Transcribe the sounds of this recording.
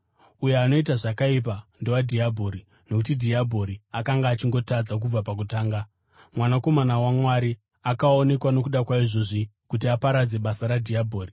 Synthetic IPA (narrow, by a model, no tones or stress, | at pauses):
ujeano̞itaʐakaip̬ando̞wadʱiabʱoɾi | no̞kutidʱiabʱo̞ɾiakaŋɡaːt͡ʃiŋɡo̞tad͡zak̬ub͡vapak̬utaːŋɡa | mwanako̞manawamwaɾi | akao̞ne̞kwano̞kuɗakwaiʐo̞ʐi | kutiapaɾad͡ze̞ɓasaɾadʱiabʱo̞ːri